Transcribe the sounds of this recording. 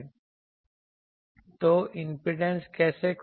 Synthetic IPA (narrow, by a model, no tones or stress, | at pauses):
t̪oʔimpɾiɖenskɛːsek